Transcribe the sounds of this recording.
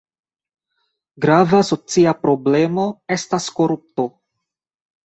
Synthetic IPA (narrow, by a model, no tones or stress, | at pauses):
ɡɾavaso̞t͡siapɾo̞ble̞mo̞e̞stasko̞ɾup̚to̞